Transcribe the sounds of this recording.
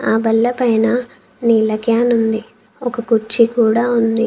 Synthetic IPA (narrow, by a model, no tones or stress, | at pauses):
aːbɐlːɐpɐjnɐ | niːlɐɡjaːnund̪i | ɔkɐkuɾt͡ʃikuːɽaːund̪i